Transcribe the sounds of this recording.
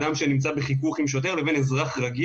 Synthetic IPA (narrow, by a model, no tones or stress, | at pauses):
damʃe̞nimt͡sabeχikuχimʃ̬o̞t̪̬e̞ʁle̞venezʁaχʁaɡi